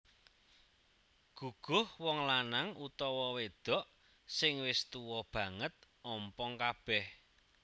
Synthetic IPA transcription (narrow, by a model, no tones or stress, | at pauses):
ɡ̥uɡ̥ʊ̤hwɔŋlanaŋut̪ɔwɔwed̪̥ɔ̤ʔ | sɪŋwɪst̪uwɔb̥ä̤ŋət̪̚ | ɔmpɔŋkab̥ɛh